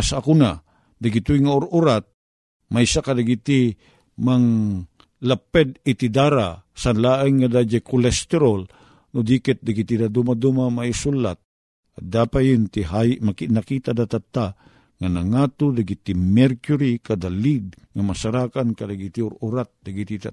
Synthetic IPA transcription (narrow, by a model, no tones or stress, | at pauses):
asakuna | d̪aɡit̪uiŋaoɾuɾat̪̚ | majsakadaɡit̪i | maŋ | lapɛd̪it̪id̪aɾasanlaʔɪŋːad̪ad͡ʒakʊlɛst̪ɛɾol | nʊd̪ikɛt̪̚d̪aɡit̪id̪ad̪umad̪umamaisulːat̪̚ | ad̪apajint̪iɦajmakinakit̪ad̪at̪at̪ːa | ŋanaŋat̪ud̪aɡit̪imɛɾkjuɾikad̪alid̪̚ | ŋamasaɾakankad̪aɡit̪iʊɾuɾat̪̚d̪aɡit̪it̪a